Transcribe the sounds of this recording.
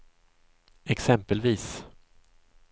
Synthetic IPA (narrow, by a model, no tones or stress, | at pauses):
ɛksɛmpəlviːs